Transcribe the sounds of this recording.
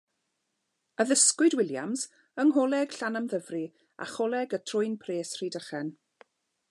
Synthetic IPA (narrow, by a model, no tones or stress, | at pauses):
əðəskwʊdwɪlˠja̰mz | əŋɦɔlˠɛɡ̥ɬanamðəvri | a̰χɔlˠɛɡətʰrʊɨnpʰreːsridəχɛn